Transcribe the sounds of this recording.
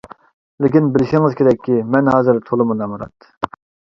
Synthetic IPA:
lɪkʲinbɪlɪʃiŋɨz̥kʲʰeɾɛkʲʰːimɛnɦɑːzɨɾt̪ʰolˠɨmunɑmuɾɑ̰t̪ː

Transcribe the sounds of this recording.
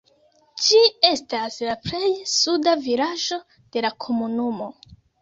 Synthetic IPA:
d͡ʒie̞staslaple̞jsudavilaʒo̞ | d̥e̞lakʰo̞munumo̞

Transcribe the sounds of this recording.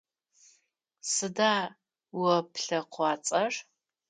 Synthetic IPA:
sɨdaː | wɐpʰɬɐqʷɑːt͡sʼɐr

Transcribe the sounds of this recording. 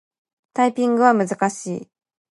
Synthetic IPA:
t̪aipʲĩŋɡɯ̟β̞amɯ̟zɨkaɕiː

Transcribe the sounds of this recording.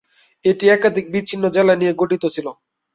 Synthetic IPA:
eʈiɛkad̪ʱik̚bit͡ɕːʰinːod͡ʑelanijeɡoʈit̪ot͡ɕʰilo

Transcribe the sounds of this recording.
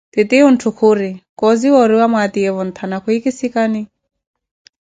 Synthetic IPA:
t̪ɪt̪iun̩tʰukʰʊɾikɔziwɔɾiwamwat̪iɛβɔn̩t̪ʰanakʰuikisikani

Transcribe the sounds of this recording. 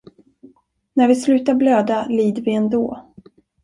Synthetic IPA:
næɾvɪslʉ̟ːt̪aɾbløːd̪aliːd̪əvɪɛnd̪oː

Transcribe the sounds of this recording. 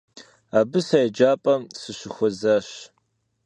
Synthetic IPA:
aːbɨsajd͡ʒaːpʼɐmsɨɕɪxʷɔzaːɕ

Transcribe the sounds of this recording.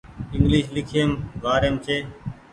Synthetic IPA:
ɪŋɡlɪːʃlɪkʰəmʋaːɾjənt͡ʃeː

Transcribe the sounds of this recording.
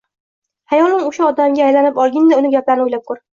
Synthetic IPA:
hajɒlɪmʊʃaɒd̪amɡʲaːjlanɪpɒlˠɡʲɪnd̪aʊnɪɡʲaplaɾnʊjlap̚kʰʊɾ

